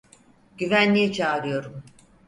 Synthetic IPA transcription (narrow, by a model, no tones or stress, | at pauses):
ɟ̥yvænlʲijɛt͡ʃʰaːɾɯjo̞ɾum